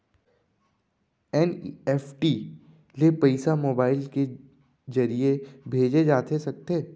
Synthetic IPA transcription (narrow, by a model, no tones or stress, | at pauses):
ɛnɛːfʈi | lepɐɪsamoːbaːɪlke | zɐɾiebʱeːd͡ʒed͡ʒaːt̪esɐk̚t̪eː